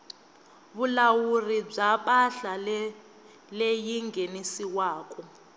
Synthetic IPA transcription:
βulawurib͡ʐaɓaɬal | lejiŋɡʱenisiwaːkʼɔ

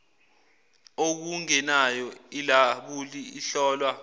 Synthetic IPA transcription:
ok̬uŋɛnajɔilaɓuliiɬɔːlwa

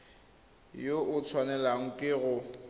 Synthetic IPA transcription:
joʔʊt͡sʰwanɛlaŋ̩kʼɪɣʊ

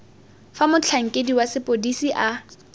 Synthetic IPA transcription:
famʊt͡ɬʰaŋ̩kʼediwasɪpʼodisiʔa

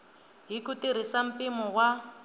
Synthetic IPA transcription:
ɦikutiɾ̤isam̩pimɔwa

